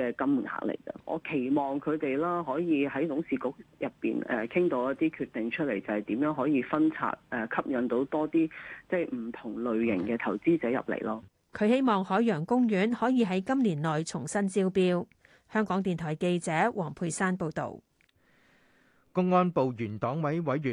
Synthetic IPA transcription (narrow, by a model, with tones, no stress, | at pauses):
ɛː˧kɐ˥m˨ŋha̰˨k̚lḛ˨˩jt͡sɐ̰˨ʔɔ̰ː˨˧kʰe˨˩jmɔː˨ŋkʰɵ˨˧ɥt̪e˨jlaː˥ɦɔː˨˥jiː˨˧ɦɐ˨˥jt̪ʊ˨˥ŋsiː˨kʊ˨˧k̚jɐ˨pːḭː˨nɛ̰ː˨˩kʰɪ˥ŋt̪o˨˧˥wjɐ˥t̚t̪iː˥kʰyː˧t̪ːɪ˨ŋt͡ʃʰɵ˥le˨˩jt͡sɐ˨hɐ˨˩jt̪iː˨˥mjœː˨˥ŋɦɔː˨˥jiː˨˧fɐ˥nt͡sʰa̰ː˨t̚ʔɛː˨kʰɐ˥p̚jɐ˨˧nt̪o˨˥wt̪ɔː˥t̪iː˥t͡sɐ˥˩jm̩˨˩t̪ʰʊ˨˩ŋlɵ˨ɥjɪ˨˩ŋkɛː˧t̪ʰɐ˨˩wt͡siː˥t͡sɛː˨˥jɐ̰˨˩p̚lḛ˨˩jlɔː˥ | kʰɵ˨˧ɥhe˥jmɔː˨ŋhɔː˨˥jœː˨˩ŋkʊ˥ŋjyː˨˥nhɔː˨˥jiː˨˧ɦɐ˨˥jkɐ˥mliː˨˩nlɔː˨˩jt͡sʰʊ˨˩ŋsɐ˥nt͡siː˥wpiː˥w | hœː˥ŋkɔː˨˥ŋt̪iː˨nt̪ʰɔː˨˩jke˧jt͡sɛː˨˥wʔɔː˨˩ŋpʰuː˧jsaː˥npo˧wt̪o̰˨˩w | kʊ˥ŋːɔː˥npo˨wjyː˨˩nt̪ɔː˨˥ŋwɐ˨˥jwɐ˨˥jɥyː˨˩